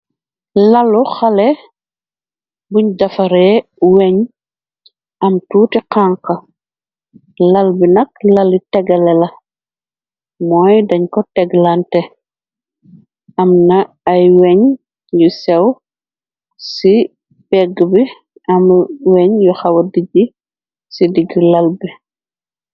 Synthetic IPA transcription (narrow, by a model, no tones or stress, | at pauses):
lɐluxɐlɛ | buɲdɐfɐɾɛwɛɲ | ʔɐmtuːtiqaŋqɐ | lɐlbinɐk̚lɐlitɛɡɐlɛlɐ | mɔːjdɐɲkɔtɛɡlantɛ | ɐmnɐ | ɐjwɛɲ | jusɛw | si | pɛɡbi | ʔɐmwɛɲjɔxɐwɐdiɟi | sidiɡilɐlbi